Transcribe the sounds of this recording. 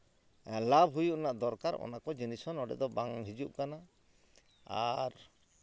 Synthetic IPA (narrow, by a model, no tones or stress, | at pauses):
labʱɦujuʔnaʔd̪ɔɾkaɾɔ̰nakɔd͡ʒinisɔnɔɖɛ̰d̪ɔbaŋɦid͡ʒuʔkana | a̰ɾ